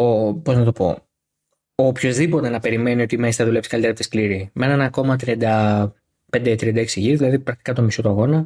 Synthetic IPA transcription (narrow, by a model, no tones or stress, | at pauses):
opoznɐt̪o̞po̞̰ | opço̞zðipo̞t̪e̞nɐpe̞ɾime̞nio̞t̪imeist̪ɐðulepskɐlit̪eɐp̪t̪eskliɾimenenɐko̞mɐt̪ɾiɐnd̪ɐ | pnd̪et̪ɾiɐnd̪ɐeksiʝiɾðilɐðipɾɐk̚t̪i̥kɐt̪o̞miso̞t̪uɐɣo̞nɐ